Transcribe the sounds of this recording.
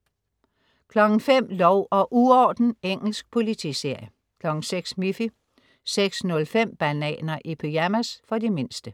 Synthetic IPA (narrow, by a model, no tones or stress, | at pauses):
kʰlɒ̽ɡ̥n̩fem̰lɒʊ̰ʔɒ̽ʔuɒːd̥n̩eŋ̰l̩sɡ̥̚pʰo̝lit͡sʰḭse̝ɐ̰jə | kʰlɒ̽ɡ̥n̩seɡ̥smifi | seɡ̥snɔ̽lfem̰b̥ænɛ̰ːnɐʔipʰeæmæsfɒ̽dime̝nsd̥ə